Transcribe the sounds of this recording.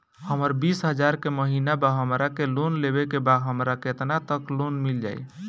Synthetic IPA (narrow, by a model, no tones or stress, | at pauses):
həməɾbisɦəd͡ʒaɾkeməɦinabaɦəmɾakelonlebekebad̪ɦəmɾaket̪nat̪əklonmild͡ʒa̰j